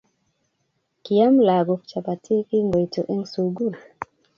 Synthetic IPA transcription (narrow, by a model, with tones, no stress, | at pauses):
ki˨ja˦mla˨ɡɔ˨ft͡ʃa˨pa˨tʰi˦ki˦ŋɡɔ˨itɔ˨ʔɛ˦ŋsuɡu˦l